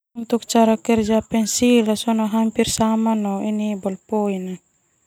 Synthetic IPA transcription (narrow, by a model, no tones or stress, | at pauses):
unt̪uk̚t͡ʃaɾakɛɾd͡ʒapɛnsilasɔnɔɦampirsamanɔinibɔlpojna